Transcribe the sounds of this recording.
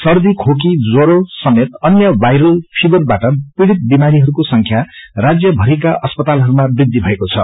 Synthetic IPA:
sʌrd̪ikʰok̬id͡zoɾosʌmet̪ʌnjʌbajɾʌlpʰibʌrbaʈʌpriɽit̪̚bimaɾiɦʌɾukosʌŋkʰjarad͡zjʌbʱʌɾikaʔʌspʌt̪alɦʌɾumabrid̪ʱːibʱʌekot͡sʰʌ̰

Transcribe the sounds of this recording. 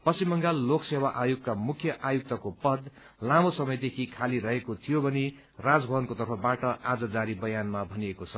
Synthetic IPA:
pʌsimːʌŋɡalːoksewaʔajukkamukʰjʌʔajuk̚t̪ʌkopʌd̪ | lamosʌmʌjd̪ekʰikʰaliɾʌɦekot̪ʰijobʱʌne | rad͡zbʱʌbʌnkot̪ʌrpʰʌbaʈʌad͡zʌd͡zaɾibʌjanmabʱʌniekot͡sʰʌ

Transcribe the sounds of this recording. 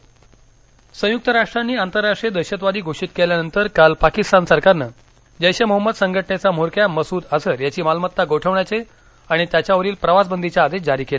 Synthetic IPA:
sə̃juk̚t̪əɾaʂʈɾanːiːant̪əɾːaʂʈɾied̪əɕət̪̬ʋad̪iːɡʱoʂiːt̪̚keljanənt̪əɾkalpakist̪ansəɾkaɾnə | d͡ʑəjɕeməɦəmːəd̪səŋɡʱəʈɳet͡samoɾkjaməsuːd̪asəɾjat͡ɕiːmalmət̪ːaɡoʈʰəʋɳjat͡se | aɽ̃it̪jat͡ɕjaʋəɾiːlpɾəʋas̬bənd̪ʱit͡ɕjaːd̪eɕd͡zaɾiːkela

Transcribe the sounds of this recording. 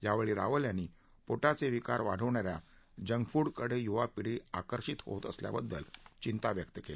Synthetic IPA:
jaʋeɭiːɾa̰ʋəljanːiː | poʈat͡seʋikaɾʋaɽ̤əʋɳaɾja | d͡ʑəŋɡfuːɽkəɽejuʋapiɽ̤iakəɾɕit̪ho̰t̪ə̰slja̰bəd̪ːə̰lt͡ɕint̪aʋjək̚t̪əkela

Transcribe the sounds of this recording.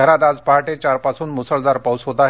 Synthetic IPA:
əɾat̪ad͡zpaɦaʈet͡ɕaɾpasuːnmusəɭd̪aɾpəwsɦot̪aɦ

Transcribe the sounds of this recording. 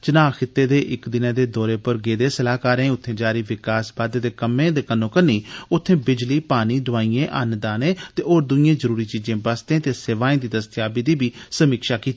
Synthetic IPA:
t͡ʃənaːxɪt̪ːeːd̪eːʔɪkd̪ɪnãːd̪eːd̪ɔːɾeːpəɾɡeːd̪eːsəlaːkaːɾẽːʊt̪ʰːẽːd͡ʒaːɾiːʋɪkaːsbaːd̪d̪eːkəmẽːd̪eːkənːõːkənːiːʊt̪ʰːẽːbɪd͡ʒliːpaːniːd̪ʊaːiːẽːʔənd̪aːnẽːt̪eːʔoːɾd̪ʊiẽːzəɾuːɾiːt͡ʃiːd͡ʒẽːbəst̪ẽːt̪eːseʋaːĩːd̪iːd̪əst̪jaːbiːd̪iːbiːsəmiːkʃaːkiːt̪iː

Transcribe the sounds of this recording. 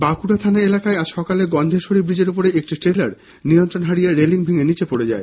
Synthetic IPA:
bakuɽat̪ʰanaelakaead͡ʑʃɔkaleɡɔnd̪ʱeʃoɾibɾid͡ʑeɾupoɾeek̚ʈiʈɾelaɾ | nijont̪ɾonɦaɽijeɾeliŋbʱeŋenit͡ɕepoɽed͡ʑa̰e

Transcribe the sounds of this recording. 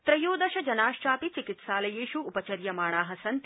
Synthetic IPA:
t̪ɾɐjoːd̪ɐʃɐd͡ʒɐnaːʃʈaːpit͡ʃikit̪ʃaːlɐjeːʃuːpɐt͡ʃɐɾjɐmaːɳaːɦɐsɐnt̪

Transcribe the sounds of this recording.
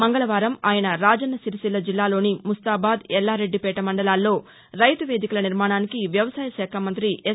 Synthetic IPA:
mɐŋɡɐlɐʋaːɾɐmaːjɐnɐɾaːd͡ʒɐnːɐsiɾisilːɐd͡ʒilːaːlo̞ːnimust̪aːbaːd̪ɛlːaːɾe̞ɖːipɛːʈɐmɐɳɖɐlaːlːo̞ː | ɾɐjt̪uʋeːd̪ikɐlɐniɾmaːɳaːnikiʋjɐʋɐsaːjɐʃɛːkʰaːmɐnt̪ɾiʔe

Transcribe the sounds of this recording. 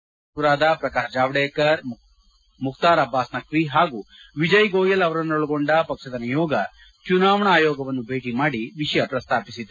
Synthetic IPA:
uɾaːd̪ɐpɾɐkaːʃd͡ʒaːʋɽeːkɐɾ | mukt̪aːɾɐbʱːaːsnɐkʋiɦaːɡuːʋid͡ʒɐjɡoːjɐlɐʋɐɾɐnːoɭɐɡoɳɖɐpɐkʂɐd̪ɐnɐjɔːɡɐ | t͡ʃunaːʋɐɳɐaːjɔːɡɐʋɐnːubʱeːʈimaːɽiʋiʂɐjɐpɾɐst̪ʰaːpisid̪

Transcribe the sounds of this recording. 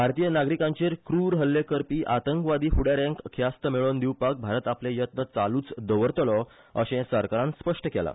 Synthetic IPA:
bʱaɾt̪ijənaɡɾikãɲt͡ɕeɾkɾuɾɦəlːekəɾpiːʔat̪əŋkʋad̪iːfuɽaɾẽŋkkʰjast̪əmeɭond̪iwpak̚bʱaɾət̪aplẽjət̪nət͡saluːt͡sd̪əʋəɾt̪lɔ | əɕɛ̃səɾkaɾãnspəʂʈəkɛla̰

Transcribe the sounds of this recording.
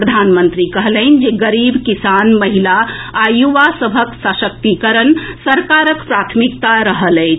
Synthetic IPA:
pɾəd̪ʱanmənt̪ɾikəɦləɪn̆d͡ʒeɡəɾibkisanməɦilaajuʋasəbʱəksəsək̚t̪ikəɾənsəɾkaɾəkpɾat̪ʰmikt̪aɾəɦələɪt͡ʃʰ

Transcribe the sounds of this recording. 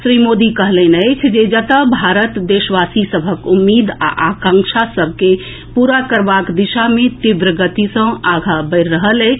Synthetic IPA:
sɾimod̪ikəɦləɪnəɪt͡ʃʰd͡ʒed͡ʒət̪əbʱaɾət̪d̪esʋasisəbʱəkumːid̪a̰ʔakãŋkʃʰasəbʱke | puɾakəɾbakd̪iʃamet̪iʋɾəɡət̪isə̃aɡʱabəɪɾːəɦəlɛ

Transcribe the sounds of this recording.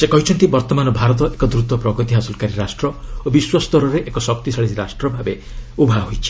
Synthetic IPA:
sekɔɦit͡ʃʰɔnt̪ibɔɾt̪ɔmanɔbʱaɾɔt̪̬ɔʔekɔd̪ɾut̪ɔpɾɔɡɔt̪iɦasɔlkaɾiɾasʈɾɔobiswɔst̪ɔɾɔɾeʔekɔsɔk̚t̪isaɭisiɾasʈɾɔbʱabe | ubʱaɦojt͡ʃʰi̥

